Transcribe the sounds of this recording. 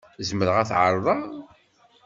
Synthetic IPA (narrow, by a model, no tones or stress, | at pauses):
zməɾəʁæθʕə̰ɾˤðˤɑ